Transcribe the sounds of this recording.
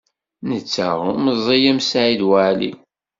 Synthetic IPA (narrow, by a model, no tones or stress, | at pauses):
nət͡sːə̰ʁmzˤijæmsʕiðwaʕlḭ